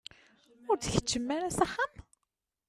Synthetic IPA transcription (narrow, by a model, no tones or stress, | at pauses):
ʊɾt͡sçə̥t͡ʃːəmːæɾæsaχam